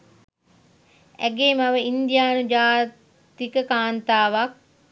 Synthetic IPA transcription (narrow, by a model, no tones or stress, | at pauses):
ɛ̰ɡeːmaʋəind̪jaːnud͡ʒaː | t̪ikəkaːnt̪aːʋak̚